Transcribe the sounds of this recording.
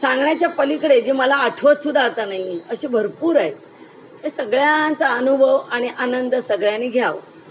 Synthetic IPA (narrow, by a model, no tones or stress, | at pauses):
sãŋɡɳjat͡ɕjapəlikəɽed͡ʑiːməlaːʈʰʋət̪sud̪ʱaːt̪anaɦiəɕebʱəɾpuːɾae | hesəɡɭjant͡saənubʱəʋaɽ̃iʔanənd̪əsəɡɭjaniɡʱjaʋ